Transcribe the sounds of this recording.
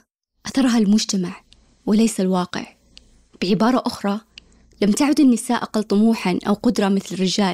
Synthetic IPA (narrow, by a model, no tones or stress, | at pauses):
ʔaθɑɾˤɦalmʊd͡ʒt̪amaʕ | wɪlejsalwɑːqɪ̰ʕ | b̥ɪʕɪbɑːɾˤɑʔʊxɾˤɑ | lamːt̪aʕʊd̪anːɪsaːʔaqɑlt̪ˤʊmuːħanʔa̰wqʊd̪ɾˤɑmɪθlɪrːɪd͡ʒaːl